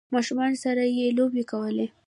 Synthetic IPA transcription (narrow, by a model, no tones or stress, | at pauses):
mɑʃumɑnsaɾajelobekawəle